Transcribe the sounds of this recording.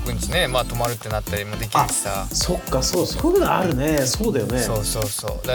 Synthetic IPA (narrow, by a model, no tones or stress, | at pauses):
kɯ̃nsnemaːt̪o̞maɾɯ̟t̪ːe̞nat̪ːaɾʲimod̪e̞kʲiḁsaso̞kːaso̞ːso̥koɡɯna̰ɾɯ̟ne̞so̞ːd̪ajo̞̰neoːsoːso̰ːd̪a